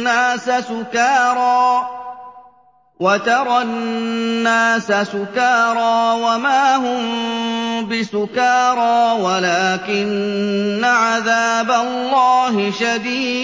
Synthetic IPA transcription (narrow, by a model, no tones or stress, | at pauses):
aːsasʊkɑːɾˤɑː | wat̪ɑɾˤɑː | aːsasʊkɑːɾˤɑːwamaːɦʊm | bɪsʊkɑːɾˤɑːwalaːkɪnː | aʕaðaːbalːɑːɦɪʃad̪iː